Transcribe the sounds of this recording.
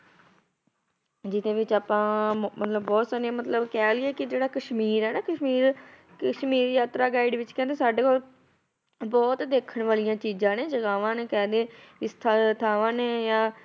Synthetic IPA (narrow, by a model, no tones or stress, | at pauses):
d͡ʒɪt̪ẽːʋɪt͡ʃaːpãːmət̪ləbbɔːt̪saːɾiãːmət̪ləbkɛːlɪɛːkɪd͡ʒeːɽaːkəʃmiːɾɛːnaːkəʃmiːɾ | kəʃmiːɾjaːt̪ɾaːɡaːɪɖʋɪt͡ʃkɛ̃ːnd̪eːsaːɖeːkoːl | bɔːt̪d̪eːkʰəɳʋaːlijãːt͡ʃiːd͡ʒãːneːd͡ʒəɡaːʋãːneːkɛ̃ːnd̪eːɪst̪ʰat̪ʰaːʋãːneːjãː